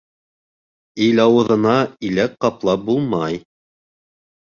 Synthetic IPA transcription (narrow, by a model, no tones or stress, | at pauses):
ilɑwɤ̆ðɤ̆nɑilæk̚qɑplˠɑp̚bulˠmɑj